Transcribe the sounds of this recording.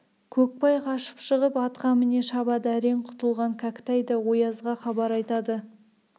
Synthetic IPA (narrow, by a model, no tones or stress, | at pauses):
kʲʰɵk̚pɑjqʰɑʃə̥pʃəʁəpɑt̪qɑmɪne̞ʃɑbɑd̪æɾe̞ɴqʰʊ̥t̪əlˠʁɑŋkʲʰakt̪æjd̪ɑwo̞jɑzʁɑχɑbɑɾɑjt̪ɑd̪ə